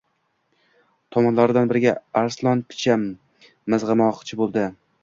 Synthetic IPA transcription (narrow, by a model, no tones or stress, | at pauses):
t̪ʰɒmɒnlaɾɪd̪anbɪɾɪɡʲaaɾslˠɒnpʰɪ̥t͡ʃʰamː | ɪzʁɨmɒqt͡ʃʰɪbolˠd̪ɪ